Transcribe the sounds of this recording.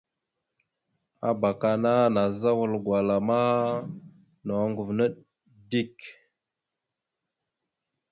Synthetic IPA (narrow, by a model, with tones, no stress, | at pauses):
a̰˨ba˨ka˨na˦na˨za˦wu˨lɡwa˨la˨ma˦ | no˨˦ŋɡu˨vnə˦ɗ | di˦k